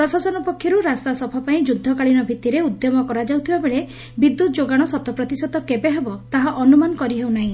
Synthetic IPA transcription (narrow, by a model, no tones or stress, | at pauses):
pɾɔsasɔnɔpɔkʰːjɔɾuɾast̪asɔbʰʱapaĩd͡ʒud̪ʱːɔkaɭiñɔbʱit̪iɾeud̪jɔmɔkɔɾad͡ʒawt̪ʰibabeɭe | bid̪ːut̪ɔd͡ʒoɡaɽ̃ɔsɔt̪ɔpɾɔt̪isɔt̪ɔkebeɦebɔt̪aɦaʔɔnumanɔkɔɾiɦewnaɦĩ